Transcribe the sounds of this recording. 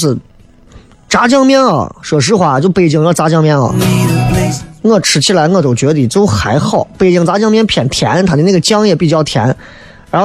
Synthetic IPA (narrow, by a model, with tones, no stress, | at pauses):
ʂ̩˥˩ | ʈ͡ʂa˧˥t͡ɕjɑ˥ŋmjɛ˥˩nɐ̰˨˩ʂɤ˨˩ʂ̬ɻ̩˥xwa˧˩˧t͡ɕjo˥˧ʊpe˥˩ɪt͡ɕi˥˩ŋ˧˥˩t͡sa˧˥t͡ɕjɑ˥ŋmjɛ˥nɐ̰˨˩ | ŋɤ˥˩ʈ͡ʂʰɻ̩˨˩t͡ɕʰi˥la˧˥ɪŋɤ˥˩t̪o˨˩t͡ɕɥɛ˧˥t̪i˨˩t͡so˥ʊxa˧˥ɪxɑ˥˩ʊpe˥˩ɪt͡ɕi˥˩ŋt͡sa˧˥t͡ɕjɑ˥˧ŋmjɛ˥˧npʰjɛ˨˩nt̪ʰjɛ̰˧˥nt̪ʰa˨˩˥n˥˩ə˩t͡ɕjɑ˥ŋjɛ˥˩pi˨˩t͡ɕjɑ˥˩ʊt̪ʰjɛ̰˧˥n | ɻa˧˥x